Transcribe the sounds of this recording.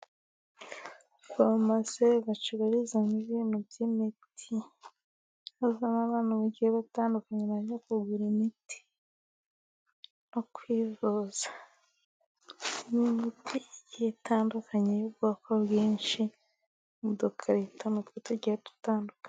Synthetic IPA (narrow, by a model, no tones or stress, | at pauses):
βomaseβat͡ʃuβaɾizaniβiːnobɟimitʰi | azanaβaːnaβaɟiheβataːndukaɲeβaɲakuɡuɾimitʰi̥ | nokwiːvoz̥a | nimitʰijitʰaːndukʰaɲejubɡuakʰoβɡiːnʃi | mudokʰaɾitʰonatwetuɟihetu̥taːndukḁɲ